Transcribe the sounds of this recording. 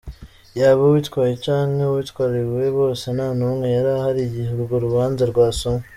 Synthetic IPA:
jaːβawitkwaːjecaːŋhewitkwaːɾiɾwe̞βo̞ːsenanumŋe̞jaɾahaɾijiheɾuɡoɾuβaːnzaɾɡwaːsome

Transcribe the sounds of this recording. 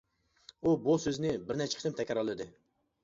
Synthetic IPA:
ubusøzɪnɪbɪɾnɛt͡ʃʰɪ̥kʰt̪ʰɪmt̪ʰɛkʲɑɾɑlˠɨd̪ɨ

